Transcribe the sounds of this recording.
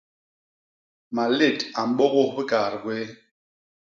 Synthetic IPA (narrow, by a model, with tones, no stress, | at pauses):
ma˨le˦˨ta˨m̩˨ɓɔ˦ɣo˦bɨ˦kaː˨ɾkwe˦